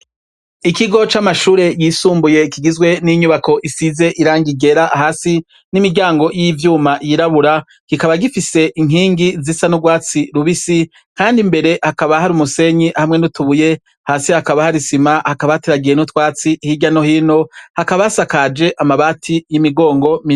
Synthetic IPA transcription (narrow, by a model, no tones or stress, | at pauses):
ikiɡo̞t͡ʃamaʃuːɾe̞jisuːmbuje̞kiɡizɡwe̞niɲuβako̞ʔisize̞ʔiɾaːŋɡiɡe̞ɾaɦaːsi | nimiɡɟaːŋɡo̞jivjuːmajiɾaβuɾa | kikaβaɡifise̞ʔiŋɦiːŋɡizisanuɡwaːt͡siɾuβisi | kaːndimbe̞ɾe̞hakaβahaɾumuse̞ɲiʔahamŋe̞nutuβuje̞ | haːsihakaβahaɾisimahakaβateɾaɡije̞nutwaːt͡sihiɟano̞hino̞hakaβasakad͡ʒe̞ʔamaβaːtʰijimiɡo̞ːŋɡo̞mi